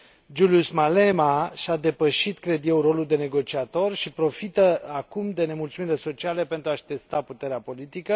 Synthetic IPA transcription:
d͡ʒuliusmale̞maʃad̪e̞pəʃit̪kɾe̞d̪je̞wro̞luld̪e̞ne̞ɡo̞t͡ʃiat̪o̞rʃipɾo̞fit̪əakumd̪e̞ne̞mult̪sumiɾile̞so̞t͡ʃiale̞pe̞nt̪ɾuaʃt̪e̞st̪aput̪e̞ɾeapo̞lit̪ikə

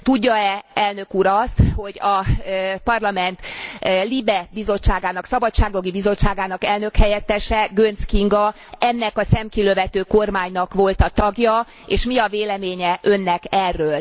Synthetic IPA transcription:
t̪uɟːɒɛɛlnø̞kuːɾɒst̪ho̞ɟɒpɒrlɒmɛnt̪libɛbizo̞t͡ʃːaːɡaːnɒksɒbɒtt͡ʃːaːɡoɡibizo̞t͡ʃt͡ʃːaːɡaːnɒkɛlnø̞khɛjɛt̪ːɛʃɛɡønskiŋɡɒ | ɛnːɛkɒsɛmkiløvɛt̪øːko̞rmaːɲnɒkʋo̞lt̪ɒt̪ɒɡjɒ | eːʃmiɒveːlɛmeːɲɛʔø̞nːɛkɛrːøːl

